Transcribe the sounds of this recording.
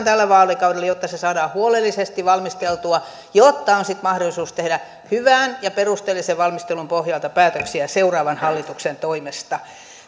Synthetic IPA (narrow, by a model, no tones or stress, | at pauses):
nt̪ælːæʋɑːlikɑudelːjot̪ːɑsesɑːdɑːhuolelːisest̪iʋɑlmist̪elt̪uɑ | jot̪ːɑonsit̪mɑhdolisuːst̪ehdæ | hyʋæːnjɑperust̪elːiseʋʋɑlmist̪elumpohjɑlt̪ɑpæːt̪øksiæseurɑːʋɑnhɑlːit̪uksent̪oimest̪ɑ